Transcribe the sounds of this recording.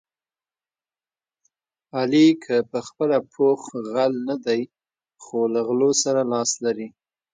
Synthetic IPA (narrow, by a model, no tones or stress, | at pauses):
alikʰəpəxpəlapʰoxɣalnad̪aj | xolaɣlosaɾalɑslaɾi